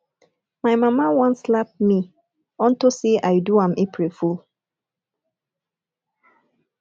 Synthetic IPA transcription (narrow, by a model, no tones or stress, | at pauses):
majmamawɔ̃nslap̚mi | ɔ̃ntoseʔajduãmepɹeful